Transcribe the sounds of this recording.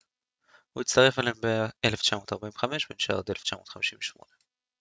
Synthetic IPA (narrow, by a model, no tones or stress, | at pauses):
huit͡st̪ɐʁe̞falembeeleft͡ʃamo̞ːt̪aʁbaimveχameʃbenʃa̰od̪eleft͡ʃamo̞ːtχamiʃimveʃmo̞̰ne